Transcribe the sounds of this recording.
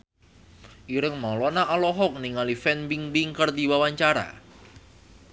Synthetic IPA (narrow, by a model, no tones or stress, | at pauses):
ʔiɾəŋmawlɔnaʔalɔɦɔk̚niŋalifɛnbiŋbiŋkərd̪iwawaɲt͡ʃaɾa̰